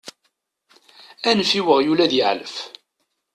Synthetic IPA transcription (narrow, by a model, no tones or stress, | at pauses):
ænəfiwəʁjulæðjəʕləf